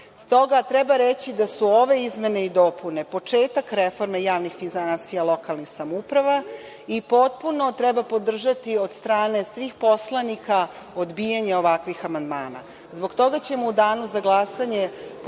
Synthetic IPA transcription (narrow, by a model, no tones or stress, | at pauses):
st̪o̞ɡat̪ɾɛbaɾet͡ɕid̪asuoʋe̞izme̞ne̞id̪o̞pune̞po̞t͡ʂe̞ːt̪akɾefo̞ɾme̞jaːʋnixfinzaasijalˠo̞kalˠnixsamupɾaʋa | ipo̞t̪̚puno̞t̪ɾɛbapo̞d̪r̩ʒat̪io̞d̪st̪ɾaːne̞sʋixpo̞slˠanika | od̪bijaɲeo̞ʋakʋixamand̪maːna̰ | zbo̞ɡt̪o̞ɡat͡ɕe̞moud̪aːnuzaɡlˠasaɲe